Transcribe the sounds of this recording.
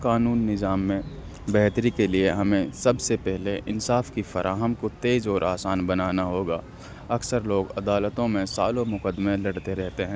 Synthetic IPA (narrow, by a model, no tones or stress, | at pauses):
kaːnuːnːɪzaːmːẽ | bɛɦt̪ɾikelieɦɐmẽsɐbsepɛɦleʔɪnsaːfkifɐɾʔaːɦəmkot̪eːd͡ʒɔːɾʔaːsaːnbɐnaːnaɦoːɡaː | ɐksəɾloːɡɐd̪aːlət̪õmẽsaːlõmʊkəd̪mẽlɐɽt̪eɾɛɦt̪eɦɛ̃ː